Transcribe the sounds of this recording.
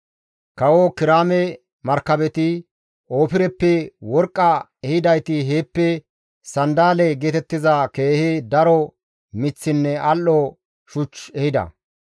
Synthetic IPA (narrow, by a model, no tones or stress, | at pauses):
kɐwokɪɾaːmɛ | mɐɾkːɐbɛt̪ɪ | oːpɪɾɛpːɛwɔɾkʼːɐ | ɛhɪd̪ɐjt̪ɪɦeːpːɛ | sɐnd̪aːlɛɡeːt̪ɛt̪ːɪzɐke̞ːhed̪ɐɾɔ | mɪt͡sːɪnːɛɐlːɔ | ʃʊt͡ʃɛhɪd̪ɐ̰